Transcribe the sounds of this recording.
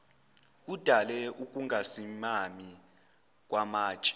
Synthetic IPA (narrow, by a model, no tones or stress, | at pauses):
k̬ʼud̥ʱalɛuk̬ʼuŋʱasimami | k̬ʼwʔamḁːt͡ʃʼɛ̥